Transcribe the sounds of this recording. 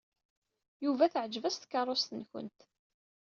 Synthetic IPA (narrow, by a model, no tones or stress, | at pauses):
juvæθəʕəd͡ʒvæst̪kːɑˤːost̪ənçə̰nt̪